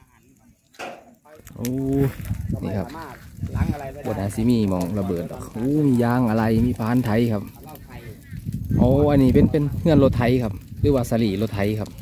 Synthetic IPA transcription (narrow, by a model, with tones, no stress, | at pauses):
ʔuː˧˦ | nḭː˧˩kʰa˧p̚ | bo˧˩t̪̚haː˧˦si˧˦miː˧˩mɔː˧˨˩ŋla˧bɤː˨˩t̪̚ɔ̰˨˩kʔuː˧˦miː˧˨jaː˧˥ŋʔa˧la˧jmiː˧˨pʰaː˧˥˨nt̪ʰa˧˦jkʰa˧p̚ | ʔa˧˦ʔa˧niː˧˩pe˧˨npe˧˨nhɯ˧ənlo˧t̪ʰːa˧˦jkʰa˧p̚lɯː˧˦waː˧sa˧liː˨˩lo˧t̪ʰːa˧˦jkʰa˧p̚